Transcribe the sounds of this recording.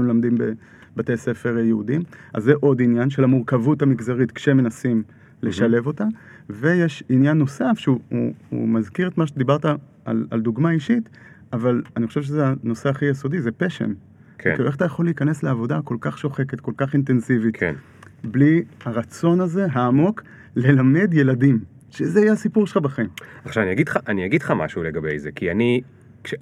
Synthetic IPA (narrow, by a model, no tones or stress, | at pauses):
mlamd̪imbe | bate̞se̞fe̞ʁjeudima̰zːeʔo̞dinjanʃe̞lamuʁkavutamiɡzaʁitkʃemenasim | le̞ʃale̞vo̞ta | ve̞jeʃinjanːo̞safʃeuuṵmazkiʁet̪maʃ̬edibaʁta | ʔa̰la̰ld̪uɡmaiʃit | avalaniχo̞ʃevʃ̬ezeano̞seaχijeso̞dizepe̞ʃḛm | kḛkexat̪ajaχo̞lːiːkane̞sleavo̞dako̞lkaχʃo̞χe̞ke̞tko̞lkaχint̪e̞nsivitkn | blihaʁat͡so̞naze̞ɦaːmo̞k | le̞lame̞dje̞ladim | ʃezeajeasipuʁʃel̩χabaχaimaχʃavanijaɡidχaʔaniaɡid̪χama̰ʃuleɡabḛjzḛkiani | kʃe